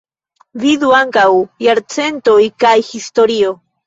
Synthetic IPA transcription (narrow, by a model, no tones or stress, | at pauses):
viðuaŋkawjaɾt͡sent̪oikajxist̪oɾio